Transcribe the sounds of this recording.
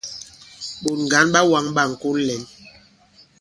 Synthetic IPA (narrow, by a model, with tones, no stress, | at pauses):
ɓo˨tŋ˨ɡa˨˦nɓa˦wa˨˦ŋɓa˦˨ŋ̩˨ko˦llɛ˨˦n